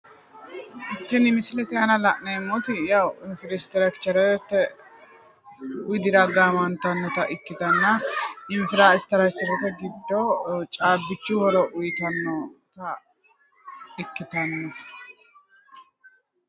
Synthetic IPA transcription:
ʔɪt̪ːɛnɪmɪsɪlɛt̪ɛɐnɐlɐʔnemːɔt̪ɪjawɪnfɪɾɪst̪ɛɾɐkt͡ʃːɐɾɛɾɛt̪ːɛ | wɪjd̪ɪɾɐɡaːmɐnt̪ɐnːɔt̪ɐʔɪkːɪt̪ɐnːɐɪnfɪɾaːɪst̪ɐɾɐkt͡ʃːɐɾɔt̪ɛɡɪd̪ːɔt͡ʃʼaːbːɪt͡ʃːʊhɔɾɔʔʊjɪt̪ɐnːɔt̪ɐ | ɪkːɪt̪ɐnːɐ

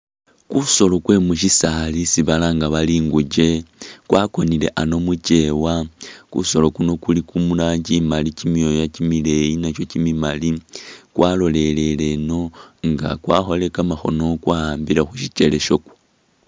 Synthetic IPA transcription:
kuso̞lo̞kwe̞muʃ̬isalisiβalaŋɡaβaliːŋɡuɟe̞kwako̞nile̞̰ʔano̞muce̞wakṵso̞lo̞kuno̞kulikumulaːɲɟimalicimijojacimile̞jinat͡ʃo̞cimimalikwalo̞le̞le̞le̞no̞ŋɡa̰kwaːxo̞le̞kamaxo̞no̞kwaaːmbilaxuʃit͡ʃe̞le̞ʃoku̥

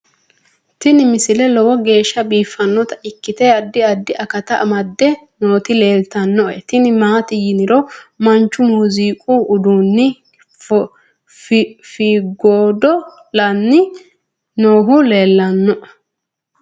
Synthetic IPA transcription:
t̪ɪnɪmɪsɪlɛlɔwɔɡe̞ːʃːɐbiːfːɐnːɔt̪ɐʔɪkːɪt̪ɛɐd̪ːɪɐd̪ːɪʔɐkɐt̪ɐʔɐmɐd̪ːɛnoːt̪ɪleːlt̪ɐnːɔʔɛt̪ɪnɪmaːt̪ɪjɪnɪɾɔmɐnt͡ʃːʊmʊziːkʼuːʔʊd̪uːnːɪ | f | fiɡoːd̪ɔ | lɐnːɪ | noːɦʊle̞ːlːɐnːɔʔ

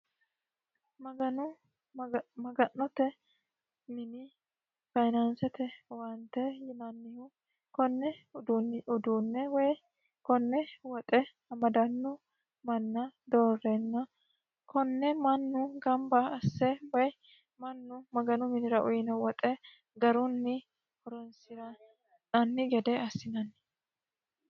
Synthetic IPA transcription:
mɐɡɐnʊ | mɐɡɐnːɔt̪ɛ | mɪnɪ | fɐjnɐnsɛt̪ɛwɐnt̪ɛjɪnɐnːɪhʊ | kɔnːɛ | ʊd̪uːnːɛwɛj | kɔnːɛwɔt̪ʼɛ | ɐmɐd̪ɐnːʊ | mɐnːɐd̪oːrːɛnːɐ | kɔnːɛmɐnːʊɡɐmbɐɐsːɛwɐj | mɐnːʊmɐɡɐnʊmɪnɪɾɐʔʊjɪnɐwɔt̪ʼɛ | ɡɐɾʊnːɪ | hɔɾɔnsɪɾɐ | nɐnːɪɡɛd̪ɛɐsːɪnɐnː

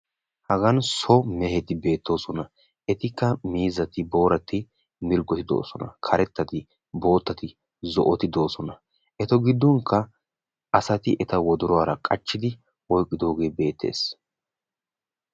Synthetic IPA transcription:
hɐɡɐnsɔmɛhɛt̪ɪbe̞ːt̪ːo̞ːsɔnɐ | ʔɛt̪ɪkːɐmiːzɐt̪ɪbo̞ːɾɐt̪ːɪ | mɪɾɡɔt̪ɪd̪o̞̰ːsɔnɐ̰kʰɐɾɛt̪ːɐt̪ɪ | bo̞ːt̪ːɐt̪ɪ | zɔ̰ʔɔt̪ɪd̪o̞ːsɔnɐ | ʔɛt̪ɔɡɪd̪ːɔŋkʰːɐ | ʔɐsɐt̪ɪʔɛt̪ɐwɔd̪ʊɾɔaːɾɐkʼɐt͡ʃːɪd̪ɪ | ɔjkʼːɪd̪o̞ːɡe̞ːbe̞ːt̪ʰːe̞̰ːs

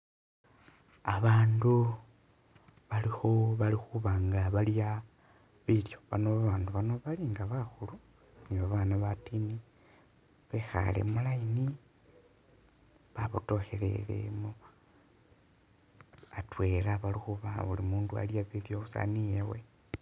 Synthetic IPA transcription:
aβaːndu | βalixo̞βalixuβaːŋɡaβalja | βiljo̞βa̰no̞βaβaːnduβano̞βaliŋɡaβaxulu | niβaβaːnaβatini | βexa̰le̞̰mulaini | βaβuto̞xe̞le̞̰lḛmu | atwe̞ːlaβalixuβaβulimuːndua̰ljaβiljo̞usa̰nijewe

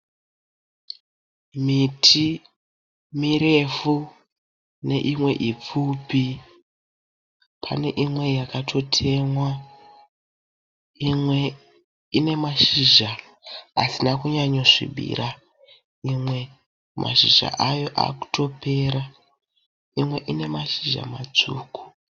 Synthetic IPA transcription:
mitʰi | miɾe̞fu | ne̞ʔimwe̞ʔip͡fupi | pʰa̰ne̞̰ʔimwe̞jakatʰo̞tʰe̞mwa | imwe̞ | ine̞maʃiʒa̰ː | sinakuɲaɲo̞ʐḭɓḭra | imwe̞ | mʔa̰ʃiʒa̰ʔajo̞ʔa̰ku̥to̞pe̞ːɾa | imwe̞ʔine̞maʃiʒa̰mad͡zuːku̥

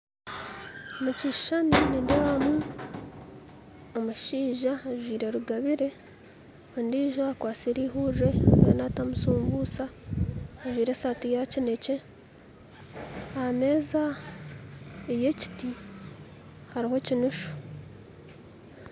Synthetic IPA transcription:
muciʃʃaninidewamu | omuʃiːʒaaʒwiːɾe̞ɾuɡaβiɾe̞ | ondiːʒoakwaːsiɾiːɦure̞ḛnatamusuːmbusa | aʒwiːɾe̞satijacine̞ce̞ | ame̞ːza | eje̞ci̥ti | haɾiho̞cinuʃu̥

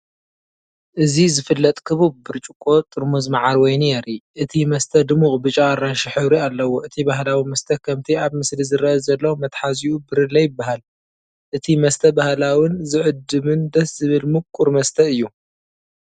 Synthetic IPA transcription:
ʔɨzizɨfɨlːɐt̪ʼkʰɨβubːɨɾt͡ʃʼukʼo̞t̪ʼɨɾmuzmaʕaɾwɔjnjɛɾiʔɨt̪ʰimɐst̪ʰɐd̪ɨmuχʼbɨt͡ʃʼaaɾanʃiħɨβɾialːɐwoʔɨt̪ʰibaɦlawimɐst̪ʰɐkʰɐmt̪ʰiaβmɨslizɨɾɐɐzɐlːɐwmɐt̪ħaziubɨɾɨlːɐjɨbːaɦal | ʔɨt̪ʰimɐst̪ʰɐbahlawɪnzɨʕɨd̪ɨmɨnd̪ɐsz̥ɨβɨlmɨkʼuɾmɐst̪ʰɐɨjːu

